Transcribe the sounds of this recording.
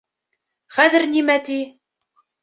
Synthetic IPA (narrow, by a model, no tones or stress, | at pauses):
χæðɘ̆ɾnimæt̪i